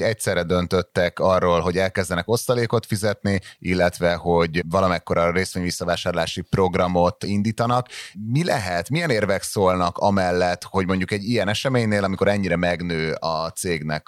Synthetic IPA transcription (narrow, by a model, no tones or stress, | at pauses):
ɛc̚tsɛrːɛd̪ø̞nt̪øt̪ːɛkɒrːoːlɦo̞ɟɛlkɛzd̪ɛnɛko̞st̪ɒleːko̞t̪fizɛt̪niilːɛt̪ʋɛho̞ɟvɒlɒmɛkːo̞ɾɒreːsʋeːɲvisːɒvaːʃaːrlaːʃipro̞ɡrɒmo̞t̪ind̪iːt̪ɒnɒkmilɛɦɛt̪mijɛneːrvɛksoːlnɒkɒmɛlːɛt̪ho̞ɟmo̞ɲɟukɛɟːijɛnɛʃɛmeːɲneːlɒmiko̞ɾɛɲːiɾɛmɛɡnøːɒt̪seːɡnɛk